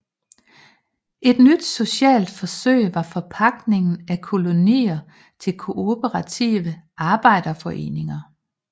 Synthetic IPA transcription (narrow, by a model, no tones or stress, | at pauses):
ʔe̝d̥nyd̥so̝ɕɛ̰ːld̥fɒ̽søɪ̰ʋɑ̈fɒ̽pʰɑ̈ɡ̥ne̝ŋn̩ækʰo̝lo̝nḭːɐ | t͡sʰe̝lkʰo̝o̝bʰəʁɑt͡sʰḭʋəɑ̈ːb̥ɑ̈ɪ̰d̥ɐfɒ̽ʔe̝̰ːne̝ŋɐ